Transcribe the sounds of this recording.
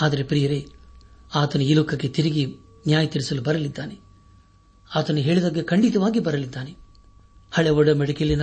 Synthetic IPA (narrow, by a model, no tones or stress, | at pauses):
aːd̪ɐɾe̞pɾijɐɾe | aːt̪ɐnuilokːɐkːet̪iɾiɡi | njaːjɐt̪iɾisɐlubɐɾɐlid̪ːaːne | aːt̪ɐnuɦeːɭid̪ɐːɡːekɐɳɖit̪ɐʋaːɡibɐɾɐlid̪ːaːne | hɐɭeʋɔɽɐmɛɽɐkelinɐ